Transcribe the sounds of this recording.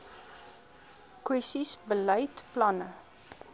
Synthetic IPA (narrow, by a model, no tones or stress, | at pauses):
kwɛstisbələjtplɐnə